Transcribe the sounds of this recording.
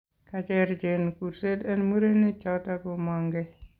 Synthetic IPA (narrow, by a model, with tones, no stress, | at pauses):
kat͡ʃɛɾd͡ʒenku˨ɾse˦tɛ˦nmu˦ɾe˦nɪ˦t͡ʃata˦kɔ˨mɔ˨ŋɡɛ